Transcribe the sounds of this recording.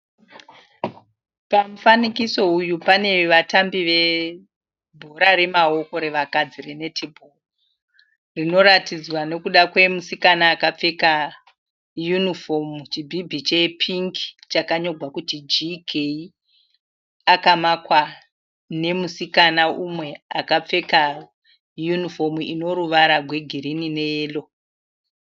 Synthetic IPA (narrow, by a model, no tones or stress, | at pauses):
pam̩fanikiso̞ujupane̞ʋatambiʋe̞ | bʱoɾare̞mao̞ko̞ɾe̞ʋakad͡zirenetʰebʱo | rino̞ɾatid͡zwane̞kuɗakwe̞musikanaːkap͡fe̞ka | junifo̞mut͡ʃibʱibʱit͡ʃe̞pʰiŋki̥t͡ʃakaɲo̞ɡʱwakutid͡ʒikʰei | akamakwa | ne̞musikanaumwe̞akap͡fe̞ka | junifo̞muino̞ɾuʋaɾaɡʱwe̞ɡʱiɾinine̞eːlo̞